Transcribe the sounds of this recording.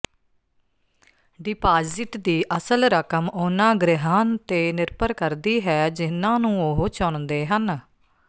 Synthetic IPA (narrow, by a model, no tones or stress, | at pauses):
ɖɪpaːzɪʈd̪iːʔəsəlɾəkəmʊnãːɡɾɪɦãːnt̪eːnɪɾpəɾkəɾd̪iːɦɛːd͡ʒɪnãːnũːoɦoːt͡ʃoɳd̪eːɦən